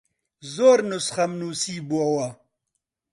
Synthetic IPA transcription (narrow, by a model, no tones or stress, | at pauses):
zoːɾnʊsχɐmnuːsiːbuɐwɐ